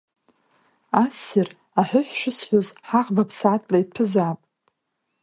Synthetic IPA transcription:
asɪr | aħʷᶣʊħʷᶣʃɪsħʷozħaʁbapʰsaːtʰʼlaid̚pʰɨzaːpʼ

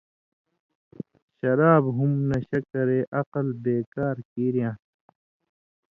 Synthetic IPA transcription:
ɕɐɾaːbɦumnɐɕɐkɐɾeːʔɐqɐlbeːkaːɾkiːɾijãː

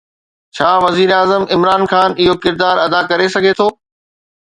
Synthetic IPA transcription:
t͡ɕʰaːʋɐziːɾaːzəmɪmɾaːnxaːnɪɦokɪɾd̪aːɾɐd̪akɐɾesɐɡʱet̪ʰoː

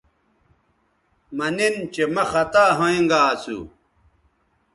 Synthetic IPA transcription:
mɐnint͡ɕemɐxɐt̪aːɦõĩŋɡaːsṵ

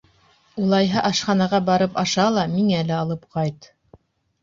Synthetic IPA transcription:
ulˠɑjɦɤʔɑʃχɑnɑʁɑbɑɾɤpɑʃɑlˠɑmiŋælɘɑlˠɤp̚qɑjt̪

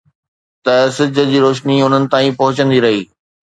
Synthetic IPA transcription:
t̪ɐsɪd͡ʑʱə̆d͡ʑiːɾoːʃniʊn̤ənɪ̆t̪aːĩpɐɦʊt͡ɕə̃nd̪iɾɐɦiː

